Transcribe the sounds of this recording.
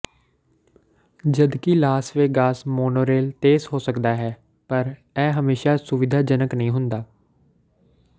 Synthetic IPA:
d͡ʒəd̪kilaːsʋeːɡaːsmoːnoːɾeːlt̪eːzɦoːsəkd̪aːɦɛː | pəɾ | ɛːɦəmeːʃaːsʊʋɪd̪ʱaːd͡ʒənəknəɦĩːɦʊnd̪aː

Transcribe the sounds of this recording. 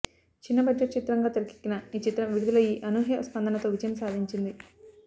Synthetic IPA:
t͡ʃinːɐbɐd͡ʒːɐʈt͡ʃit̪ɾɐŋɡaːt̪ɐɾiki̥kːinɐiːt͡ʃit̪ːɾɐʋiɽud̪ulɐiːʔɐnuːɦjɐspɐnd̪ʱɐnɐt̪o̞ːʋid͡ʒɐjɐmsaːd̪ʱiɲt͡ʃind̪i

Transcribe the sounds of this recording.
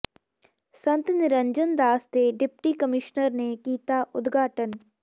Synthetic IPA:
sə̃nt̪nɪɾəɲd͡ʒənd̪aːsd̪eːɖɪpʈiːkəmɪʃnəɾneːkiːt̪aːʔʊd̪ɡʱaːʈən

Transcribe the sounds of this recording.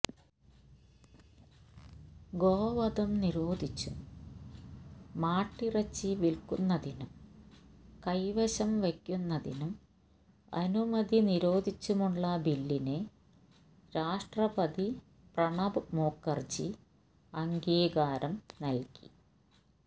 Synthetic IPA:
ɡoːʋɐd̪ɐmniɾo̞ːd̪ʱit͡ɕːum | aːʈːirɐt͡ɕːiʋilkunːɐðinum | kɐjʋɐɕɐmʋekʲːunːɐðinum | ɐ̰numɐd̪iniɾo̞ːd̪ʱit͡ɕːumuɭːɐbilːine̞ | ɾaːʂʈrɐpɐd̪i | prɐɳɐbɨmo̞ːkːɐrd͡ʑi | ɐŋɡeːɡaːɾɐmnɐlki̥

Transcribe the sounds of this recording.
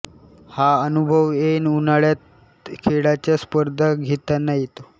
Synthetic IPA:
haənubʱəʋenunaɭjat̪̚ | kʰeɽat͡ɕjaspəɾd̪ʱaɡʱet̪anajit̪o

